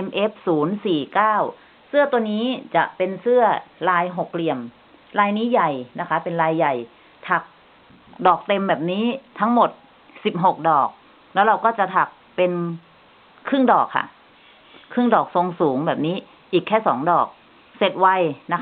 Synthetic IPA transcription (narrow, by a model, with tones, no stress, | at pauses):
ʔe˧mʔe˦˥p̚suː˩˦nsiː˨˩kaː˥˩w | sɯ˥˩ɐt̪u˧əniː˦˥t͡ɕa˨˩ʔpe˧nsɯ˥˩ɐɾaː˧jɦo˨˩k̚li˧əm | ɾaː˧jniː˦˥ja˨˩jna˦˥kʰa˦˥pe˧nɾaː˧jːa˨˩j | t̪ʰa˨˩k̚ | dɔː˨˩k̚t̪e˧mbɛː˨˩p̚niː˦˥t̪ʰa˦˥ŋmo˨˩t̪̚ | si˨˩p̚ɦo˨˩k̚dɔː˨˩k̚ | lɛː˦˥wɾa˧wkɔː˥˩t͡ɕa˨˩t̪ʰa˨˩k̚ | pe˧n | kʰɯ˥˩ŋdɔː˨˩kʰːa̰˥˩ | kʰɯ˥˩ŋdɔː˨˩k̚so˧ŋsuː˩˦ŋbɛː˨˩p̚niː˦˥ | ʔiː˨˩kʰːɛː˥˩sɔː˩˦ŋdɔː˨˩k̚ | se˨˩t̪̚wa˧jna˦˥kʰ